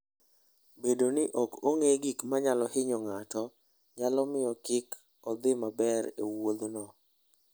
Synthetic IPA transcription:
bedonɪʔokoŋeɡikmaɲalɔhɪɲɔŋatɔ | ɲalɔmɪjɔkɪk | ɔd̪ɪmabɛɾḛwod̪nɔ

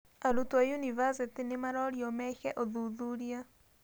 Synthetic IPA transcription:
aɾutuajunivazet̪enemaɾɔɾiɔmɛxɛʔɔðuðuɾia

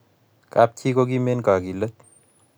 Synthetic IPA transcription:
kap̚t̪ʰikoɡimenkaɡilət̪̚

